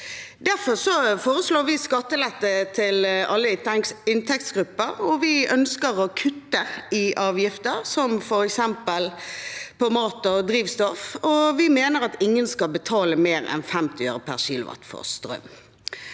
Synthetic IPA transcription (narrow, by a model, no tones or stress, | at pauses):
d̪æɾfɔsɔfoːɾəsloːʋɪskɑt̪ːəlɛt̪ːət̪ʰɪlɑlːəɪnt̪ʰɛk̚t̪sɡɾʉpːəɾɔʋɪʔœnskəɾɔkʰʉt̪ːəɪʔɑːʋjɪft̪əɾsɔmfɔɾɛksɛmpəlpɔmɑːt̪ɔd̪ɾiːʋst̪ɔfɔʋɪmeːnəɾɑt̪ɪŋːənskɑlbət̪ʰɑːləmeːɾɛ̰nfɛmt̪ɪø̰ːɾəpʰæʁʃḭːlʊ̰ʋɑ̰t̪ːfɔ̰ʁst̪ɾœ̰m